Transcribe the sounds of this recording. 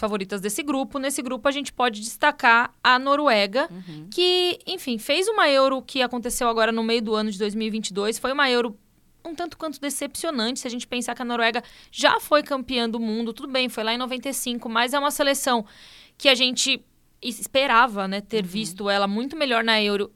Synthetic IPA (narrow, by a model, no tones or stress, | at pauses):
sfavoɾit̪ɐzd̪esɪɡɾupʊnesɪɡɾupʊaʒẽnt͡ʃɪ̥pɔd͡ʒɪd͡ʒɪst̪akaɾɐnoɾwɛɡɐkɪẽfĩfejzũmɐewɾʊkɪakõnt̪esewaɡɔɾɐnʊmejʊd̪ʊɐ̃nʊd͡ʒɪd̪ojzmiwivĩnt͡ʃɪd̪ojsfojũmɐewɾʊ | nɐ̃w̃t̪ɐ̃nt̪ʊkwɐ̃nt̪ʊd̪esepsionɐ̃nt͡ʃɪsɪaʒẽnt͡ʃɪ̥pẽsaɾkɪɐnoɾwɛɡɐʒa̰fojkɐ̃mpiɐ̃w̃d̪ʊmũnd̪ʊt̪ud̪ʊbẽj̃fojlaẽnovẽnt̪esĩŋkʊmɐzɛũmɐselesɐ̃w̃kɪaʒẽnt͡ʃɪ | ɪspeɾavɐnɛt̪eɾvist̪ʊɛlɐmũj̃t̪ʊmeʎɔɾnɐewɾʊ